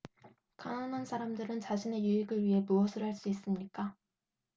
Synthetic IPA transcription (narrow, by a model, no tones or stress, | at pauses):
kananansʰaɾamdɯɾɯnt͡ɕaɕʰine̞juɦiɡɯɭɥiɦe̞muʌsʰɯɭɦaɭs͈uis͈ɯmɲik͈a